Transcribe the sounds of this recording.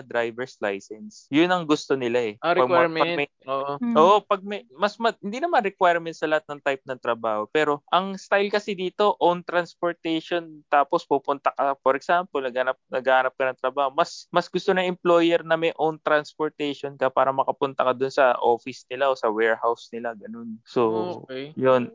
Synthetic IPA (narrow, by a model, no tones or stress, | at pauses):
ɐd̪ɾajvɛɹslajsɛnsjʊnɐŋɡʊst̪o̞nɪlaʔɛɾpɐɡmpɐɡmɛ | oːʔʔoːʔopɐɡ̚mɐmɐsmɐhɪnd̪inɐmanɾɛkwajɹmɛnt̪sɐlɐhat̪̚nɐŋt̪ajp̚nɐŋt̪ɾɐbaːho̞pɛːɾo̞ʔɐŋst̪ajlkɐsɪd̪iːt̪o̞ʔownt̪ɾɐnspoɹt̪ɛjʃo̞nt̪aːpo̞spupʊnt̪ɐkɐpoɾɛksampolnɐɡanɐp̚nɐɡaːhaːnɐp̚kɐnɐŋt̪ɾɐbaːhomɐsmɐsɡʊst̪onɐʔɪmplo̞ːjɛɾnɐmɐjʔownt̪ɾanspoɹt̪ɛjʃonkɐpaːɾɐmɐkɐpʊnt̪ɐkɐd̪ʊnsɐʔo̞ːfɪsnɪlaʔo̞ːsɐwɛːɹhawsnɪlaɡɐno̞nsojon